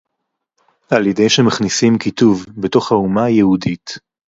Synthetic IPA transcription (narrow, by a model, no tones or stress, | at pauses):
aljedejʃemaχnisimkituvbe̞to̞χhaumajehudit